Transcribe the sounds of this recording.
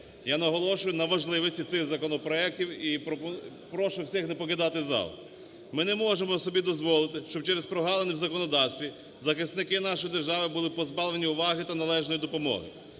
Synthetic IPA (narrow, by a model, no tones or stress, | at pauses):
janɐɦɔlˠɔʃʊjʊnɐʋɐʒlˠɪʋɔsʲtʲit̪sɪxzɐkɔnɔpɾɔɛk̚tʲiwipɔp | pɾɔʃʊwsʲixnepɔkɪd̪ɑt̪ɪzɑ̰l̰ˠ | mɪnɛmɔʒemɔsɔbʲid̪ɔzʋɔlˠɪt̪ɪʃt͡ʃɔbt͡ʃɛɾespɾɔɦɑlˠenɛwzɐkɔnɔd̪ɑwsʲt̪ʋʲi | zɐxɪsnɪkɪnɑʃɔjid̪erʒɑʋɪbʊlˠɪpɔzbɑʋlˠenʲiʊʋɑɦɪt̪ɐnɐlˠɛʒnɔjid̪ɔpɔmɔ̰ɦɪ̰